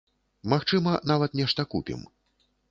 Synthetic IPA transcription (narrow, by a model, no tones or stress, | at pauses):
maxt͡ʂɨmɐnavɐt̪nʲɛʂt̪ɐkupʲḭm